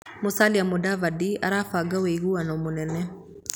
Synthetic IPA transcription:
mosaliamodavadia̰ɾaːfaɡaweiɣuanamonɛnɛ

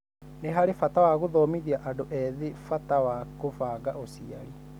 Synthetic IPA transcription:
neɦaɾefatawaɣoðɔːmiðiaʔadoʔɛðefatawakofaːɣaʔosiaɾi

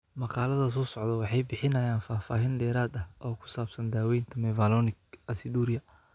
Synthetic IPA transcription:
mɑqɑːlɐðɐs̬ɔːsɔʕd̪ɐwɑħɑjbɪħɪnɐjaːnfaːfaːɦɪnɖ̪ɛːɾaːd̪ɐhʔɔːkʰʊ̥saːbsɐnd̪aːwɛjnt̪ʰɐmɛvalɔːnɪkɐsɪd̪uːɾɪɐ

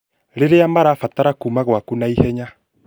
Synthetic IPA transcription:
ɾeɾeamaɾafataɾakumaɣwakunaihɛɲa

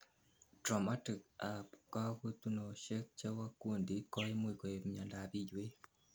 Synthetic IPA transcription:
tɾomatikapkakutunoʃekt͡ʃewakuːndikajemwikoeβimɲaːndaβiɟwe

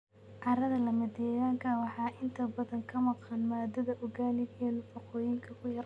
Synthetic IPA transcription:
ʕɑɾɐðɐlɐmɐd̪ɛjaːŋkʰɐwɑħɑːʔɪnt̪ʰɐbɐðɐŋkʰɐmɑqɑnmaːd̪ɐðɐʔʊɡaːlɪɡɛnfɔqɔːjɪŋkʰɐkʰʊjɐɾ

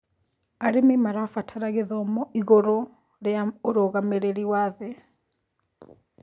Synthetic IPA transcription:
aɾemimaɾafatʰaɾaɣeðɔmɔiɣoɾo | ɾeaoɾoːɣameɾeɾiwaðɛ

